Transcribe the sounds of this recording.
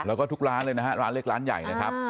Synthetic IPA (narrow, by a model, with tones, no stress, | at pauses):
lɛː˦˥wkɔː˥˩t̪ʰu˦˥k̚ɾaː˦˥nlɤː˧jna˦˥ɦa˦˥ɾaː˦˥nlɯ˥˩k̚aː˦˥nja̰˨˩jna˦˥kʰa˦˥p̚